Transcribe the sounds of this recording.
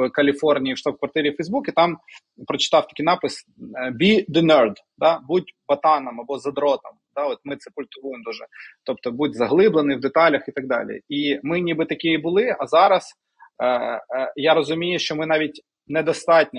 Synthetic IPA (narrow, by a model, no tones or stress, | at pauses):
kɐlʲifɔrnʲijiwʃt̪ɑb̚kʋɐrt̪ɪɾʲifɐjzbukʲit̪ɑm | pɾɔt͡ʃɪ̥t̪ɑwt̪ɐ̥kʲijnɑpɪs | bʲid̪ɪnɛrd̪ | d̪ɑbut̚ʲbɐt̪ɑnɐmɐbɔzɐd̪ɾɔt̪ɐmd̪̥ɑɔt̪mɪt̪sɛkʊlʲt̪ʊʋujemd̪uʒɛt̪ɔp̚t̪ɔbudʲzɐɦlˠɪblˠenɪwd̪et̪ɑlʲɐxit̪ɐɡ̚d̪ɑ̰lʲḭimɪnʲibɪt̪ɐkʲɪjibʊlˠɪɐzɑɾɐs | jaɾɔzʊmʲijʊʃt͡ʃɔmɪnɑʋʲitʲ | nɛd̪ɐst̪ɑtʲnʲ